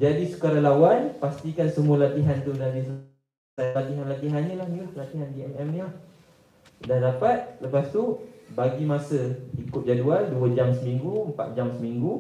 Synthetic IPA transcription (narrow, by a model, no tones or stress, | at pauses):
d͡ʒadisə̥kaɾalawanpast̪ikansəmuəlat̪iɦant̪udadisə | alat̪iɦanlat̪iɦaɲəlahɲilahlat̪iɦandiɛmɛmnilah | dandapat̪̚ləpast̪ubaɡimasəikʊt̪̚d͡ʒaduanduəd͡ʒamsəmiŋɡuəmpa̰t̪̚d͡ʒamsəmiŋɡu